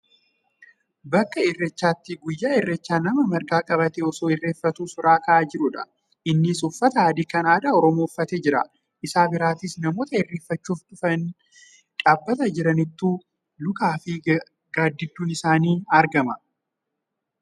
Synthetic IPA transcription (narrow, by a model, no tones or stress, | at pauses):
bɐkːɐɪrːɛt͡ʃːaːt̪ːɪɡʊjːaːɪrːɛt͡ʃːaːnɐmɐmɐɾɡaːkʼɐbɐt̪eɔsoːɪrːe̞ːfːɐt̪uːsʊɾaːkɐʔaːd͡ʒɪɾʊᶑɐ | ʔɪnːɪsʊfːɐt̪ɐaːd̪ikɐnaːd̪aːɔɾɔmofːɐt̪eːd͡ʒɪɾɐ̰ | ʔɪsaːbɪɾaːt̪isnɐmo̞ːt̪ɐɪrːeːfːɐt͡ʃːuːfᶑ̪ʊfɐn | ᶑaːbːɐt̪ɐd͡ʒɪɾɐnɪt̪ːuː | lʊkaːfɪ | ɡaːd̪ːɪd̪ːuːnɪsaːniːɐɾɡɐmɐ